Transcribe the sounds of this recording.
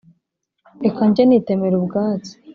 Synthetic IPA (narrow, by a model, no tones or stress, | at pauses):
ekaɲɟenite̞meɾubɡaːt͡si̥